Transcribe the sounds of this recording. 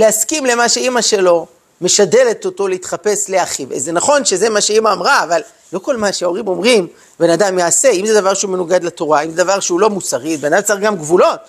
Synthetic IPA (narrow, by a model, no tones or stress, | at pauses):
leaskimle̞maʃeimaʃe̞lo̞ | me̞ʃade̞le̞t̪o̞to̞leit̪χape̞sle̞aχivḛzenaχo̞nʃe̞ze̞maʃeimaːmʁaːval | lo̞ko̞lmaʃeo̞ʁimo̞mʁim | be̞nad̪amjaːse̞imzed̪avaʁʃeume̞nuɡad̪lat̪o̞ʁaimzed̪avaʁʃeulo̞mut͡saʁitbenat͡saʁɡamɡvulo̞t̪